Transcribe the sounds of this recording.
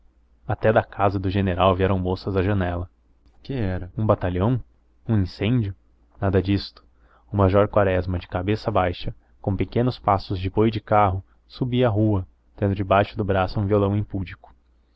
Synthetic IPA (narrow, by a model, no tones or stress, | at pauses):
at̪ɛd̪ɐkazɐd̪ʊʒeneɾawviɛɾɐ̃w̃mosɐzɐʒɐnɛlɐ | kɪɛɾɐũbat̪aʎɐ̃w̃ | ũĩsẽnd͡ʒjʊ | nad̪ɐd͡ʒist̪ʊ̥ | ʊmaʒɔɾkwaɾɛzmɐd͡ʒɪkabesɐbajʃɐ | kõpekẽnʊspasʊzd͡ʒɪpojid͡ʒɪkaɦʊ | subiɐaɦuɐ | d̪̥ẽnd̪ʊd͡ʒɪbajʃʊd̪ʊbɾasʊũviolɐ̃w̃ẽpud͡ʒikʊ̥